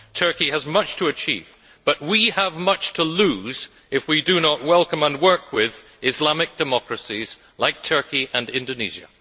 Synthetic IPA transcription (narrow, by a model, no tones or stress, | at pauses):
tʰɜ˞kiɨzmʌt͡ʃtʰəːt͡ʃʰḭv | b̥ʌʔ̚wiəvmʌt͡ʃtʰəlʉz | ɨfwidɨnəʔ̚wɛlˠkə̃mə̃nwɜ˞kʰwɪð | ɨzlamɨk̚d̥ɨmɑkɹɨsiz̥ | laɪk̚tʰɜ˞kiʔɨ̃nɪ̃ndonḭʒɨ̰